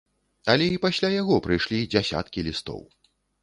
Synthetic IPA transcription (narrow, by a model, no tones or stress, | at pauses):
ɐlʲɛipasʲlʲajaɣɔpɾɨjʂlʲid͡zʲasʲa̰t̪kʲilʲist̪ɔ̰w